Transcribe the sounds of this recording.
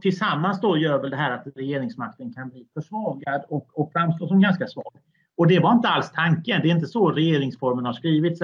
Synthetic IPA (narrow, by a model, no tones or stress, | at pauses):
t̪ʰɪlsamːansd̪oːɾjœɾvɛld̪ɛɦæːɾat̪ɾɛjeːɾɪŋsmak̚t̪ənkʰanbliːfœʂvɑːɡad̪ɔkɔkfɾamst̪oːsɔmɡanskasvɑ̰ːɡ | ɔd̪ɛvaɾɪnt̪əalst̪ʰaŋkənd̪ɛɾɪnt̪̬əsɔɾɛjeːɾɪŋsfɔɾmənhaɾʂkɾiːvɪt̪s